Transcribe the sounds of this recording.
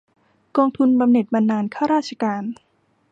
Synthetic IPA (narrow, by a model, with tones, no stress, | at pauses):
kɔː˧ŋt̪ʰu˧nba˧mne˨˩t̪̚ma˧nːaː˧nkʰaː˥˩wɾaː˥˩t̪̚t͡ɕʰa˧kaː˧n